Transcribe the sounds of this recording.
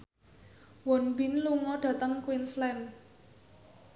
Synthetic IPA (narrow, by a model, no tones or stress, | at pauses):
wɔnbinluŋɔɖ̥ä̤t̪əŋkwinslɛn